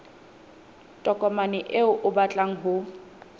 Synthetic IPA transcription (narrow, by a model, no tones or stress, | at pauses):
tʼɔkʼɔmanɪʔeʊʔʊbat͡ɬʼaŋ̩ɦʊ